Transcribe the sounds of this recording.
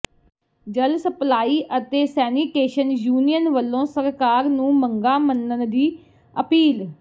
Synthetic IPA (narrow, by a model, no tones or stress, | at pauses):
d͡ʒəlsəplaːiːʔət̪eːsɛːniːkeːʃənjuːnijənʋəlːõːsəɾkaːɾnũːməŋɡaːmənːənd̪iː | əpiːl